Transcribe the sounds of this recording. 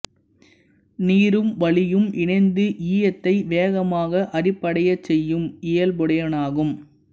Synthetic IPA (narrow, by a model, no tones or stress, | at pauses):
niːɾɯmʋɐɭɪjɯmʔɪɳɐɪnd̪ɯʔiːjɐt̪ːɐɪʋeːɣɐmaːɣɐʔɐrɪpːɐɽɐjɐt͡ʃːɛjːɯmɪjɐlbɔɽɐjɐnaːɣɯm